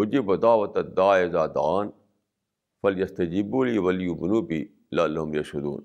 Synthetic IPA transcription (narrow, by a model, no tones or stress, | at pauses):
ʊd͡ʒibɐt̪aːʋɐt̪ɐd̪aːezaːd̪aːn | fɐljɐst̪ɐd͡ʒibuliːwɐljubʊnubi | lɐlːɐɦʊmjɐʃɐd̪ṵːn